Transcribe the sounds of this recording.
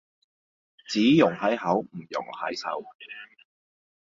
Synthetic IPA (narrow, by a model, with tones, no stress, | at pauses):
t͡siː˨˥jʊ˨˩ŋhɐ˨˥jɦɐ˨˥wm̩˨˩jʊ̰˨˩ŋhɐ̰˨˥jsɐ̰˨˥w